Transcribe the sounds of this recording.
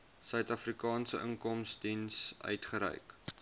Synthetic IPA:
sœɥtɐfrikɑːnsəʔəŋkɔmsdinsœ̰ɥtχəɾɛ̰ɥk

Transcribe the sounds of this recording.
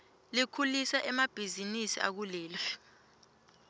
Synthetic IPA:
likʰulisaʔɛmab̥ʱizinisḭa̰k̬uleːlfi̥

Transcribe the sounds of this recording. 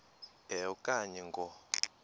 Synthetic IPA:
ɛɔkʼaɲɛŋɡʱɔ

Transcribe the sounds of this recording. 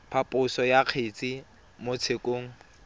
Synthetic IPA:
pʰapʼʊsɔjaq͡χʰet͡sʼi | mot͡sʰekʼoːŋ̩

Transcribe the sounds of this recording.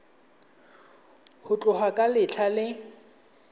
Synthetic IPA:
hʊt͡ɬʼʊhwakʼalɪt͡ɬʰalɪ

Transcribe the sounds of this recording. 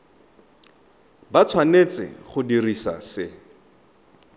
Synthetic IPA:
bat͡sʰwanet͡sɪ̰χʊdirisa̰sɪ

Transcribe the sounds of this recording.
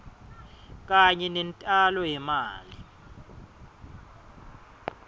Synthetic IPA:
k̬ʼaɲɛnɛntʼalɔjɛmaːli

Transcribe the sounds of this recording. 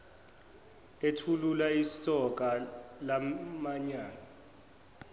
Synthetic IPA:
etʰululaisɔk̬ʼalamaɲaːna

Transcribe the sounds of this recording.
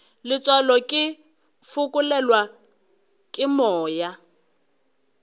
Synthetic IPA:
lɪt͡sʼwalɔkʼɪ | fʊkʼʊlɛlwa | kʼɪmɔːja

